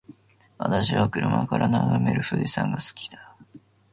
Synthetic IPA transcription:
βat̪aɕiβakɯ̟ɾɯ̟makaɾʔanaɡame̞ɾɯ̟ɸɯd̪isãŋɡasɨ̥kʲi̥d̪ḁ

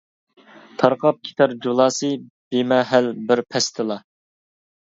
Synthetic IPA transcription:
t̪ʰɑɾqʰɑp̚kʲʰi̥t̪ʰɑɾd͡ʒolˠɑːsɨ | b̥emɛɦælbɪɾpʰɛst̪ʰɨlˠɑ

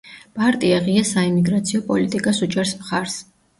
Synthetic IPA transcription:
pʼaɾt̪ʼiaʁiasaimiɡɾat̪sʰiɔpʼɔlit̪ʼikʼasud͡ʒɛɾsmχaɾs

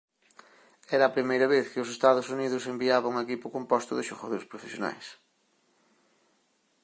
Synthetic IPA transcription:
ɛɾɐːpɾimejɾɐβeθkɪʊs̬est̪aðʊsuniðʊsembiaβɐŋɐekipʊkompɔst̪ʊðɪʃoɣaðoɾspɾofesjona̰js

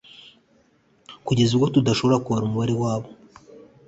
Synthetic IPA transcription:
kuɟe̞zuɾko̞tudaʃo̞βo̞ɾakuβaɾumuβaɾe̞waːβo

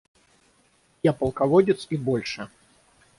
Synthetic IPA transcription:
japɐlˠkavɔdʲɪt̪sibɔlʲʂɛ

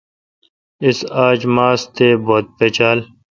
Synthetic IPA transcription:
ɪsaːd͡ʑmaːst̪eːboːt̪̚peːt͡ɕaːl

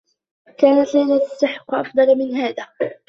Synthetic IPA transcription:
kaːnat̪laːnat̪ḁsːaħɪ̥qːʔɑfd̪ˤɑlmɪnɦaːðaː

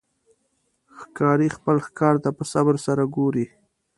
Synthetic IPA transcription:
xkɑɾixpəlxkɑɾt̪apəsabɾsaɾaɡoɾi

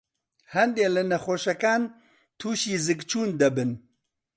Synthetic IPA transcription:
hɛnd̪eːlɨnɛxoːʃɛkaːn | t̪ʰuːʃiːzɨkt͡ʃʰuːnd̪ɐbɨn

